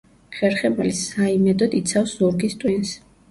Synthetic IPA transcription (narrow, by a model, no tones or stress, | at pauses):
χɛɾχɛmɛlisaimɛd̪ɔd̪it̪sʰafszuɾɡist̪ʼwins